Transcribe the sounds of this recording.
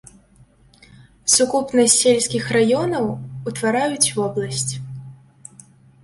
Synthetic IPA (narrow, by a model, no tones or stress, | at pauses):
sukupnɐsʲːelʲsʲkʲixrajɔnɐwut̪vaɾajut͡sʲvɔblˠɐsʲt͡sʲ